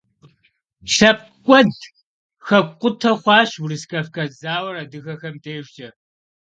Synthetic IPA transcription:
ʃɐp̚ | kʷʼɔd | xɐqʷʊtʰɐχʷɑːʃwʊrɨskɐfkɐzaːwɐɾɐdɨɣɐxɐmdeːʒd͡ʒʼɐ

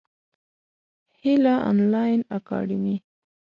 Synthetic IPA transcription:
hɪlaʔɔ̰nlɑjnakɑ̰ɖimi

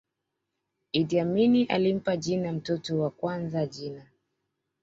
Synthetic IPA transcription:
idiaminiʔa̰lim̩paʄinam̩tɔtɔwakwanzaʄina

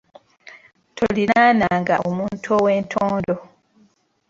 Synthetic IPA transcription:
tʰolinaːnaːŋɡa̰omuːntʰowe̞ːntʰoːndo

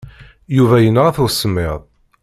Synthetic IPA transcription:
juvæjənːaʁæθʊsːəmːɪðˤ

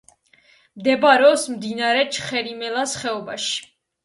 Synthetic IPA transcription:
md̪ɛbaɾɛɔsmd̪inaɾɛt͡ʃʰχɛɾimɛlasχɛɔbaʃi̥

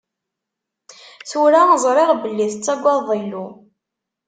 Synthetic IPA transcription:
θuɾazˤɾˤeʁbəlːiθt͡sːæɡʷːɑðˤilu

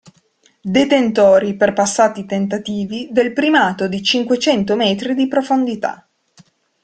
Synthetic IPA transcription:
d̪et̪ent̪ɔːɾiperpasːaːt̪it̪ent̪at̪iːvid̪elpɾimaːt̪od̪it͡ʃiŋkwet͡ʃɛnt̪omɛːt̪ɾid̪ipɾofond̪it̪a̰

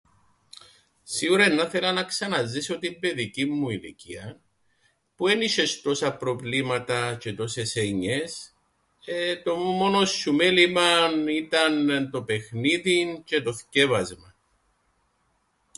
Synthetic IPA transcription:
siɣuɾɐnːɐθe̞lɐnɐksɐnɐziso̞t̪imbe̞ðicimːuilḭciɐ | pue̞niʃe̞st̪o̞sɐpɾo̞vlimɐt̪ɐce̞t̪o̞seseɲes | et̪o̞mumo̞no̞sːumelimɐnit̪ɐnnt̪o̞pe̞xniðince̞t̪o̞sce̞vɐzmɐ

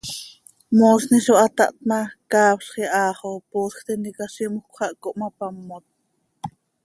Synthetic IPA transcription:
moːsniʃoʔɑt̪ɑ̰ʔt̪̚mɑkɑːpʃχiʔɑːχopoːsxt̪ɛnikaʃimukʷχɑʔkoʔmɑpamːot̪̚

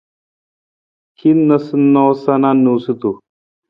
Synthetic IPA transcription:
kʰinnəsnɔsananusut̪u

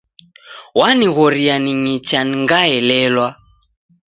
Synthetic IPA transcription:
waniɣɔɾianiŋit͡ʃaniŋɡaɛlɛlwa

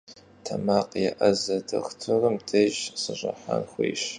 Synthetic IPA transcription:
tʰɐmaːqjɛʔɐzɐdɐ̰xtʰɨrɨmdʰɐʒsɨɕʼɐ̰ħanxʷiːɕ

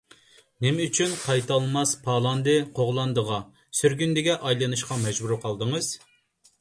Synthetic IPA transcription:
nɪmɛyt͡ʃʰynqʰɑjt̪ɑlˠmɑspʰɑːlˠɑnd̪ɨqʰoʁlˠɑnd̪əʁɑ | syɾɡʲynd̪ɪɡʲɛʔɑjlˠɨnɨʃqɑmɛd͡ʒbuɾqʰɑlˠd̪əŋɨz̥

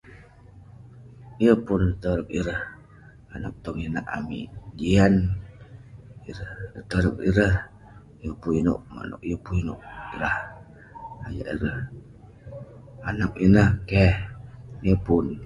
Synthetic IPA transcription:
iəpʊnt̪əɾək̚iɾəh | ana̰k̚t̪ɔŋinaʔa̰mḭʔd͡ʒian | iɾəht̪əɾəkḭɾəh | jəpuino̰ʔma̰no̰ʔjəpuinʊ̰ʔiɾah | aja̰ʔiɾəh | anak̚inahkɛhjəpʊn

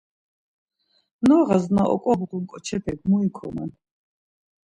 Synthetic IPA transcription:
nɔʁaznaʔɔ̰kʼɔbquŋkʼɔt͡ʃʰɛpʰɛɡmuikʰɔ̰mɛ̰n

